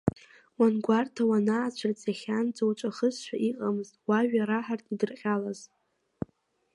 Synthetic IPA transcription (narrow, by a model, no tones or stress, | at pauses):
wanɡʷartʰawanaːt͡ɕʷʰart͡sʼaχʲand͡zowt͡ʃʷʼaχəzʃʷᶣaʔiqʼamɨztʼwaɥᶣaɾaħartʰʼidɨrqʲʼalaz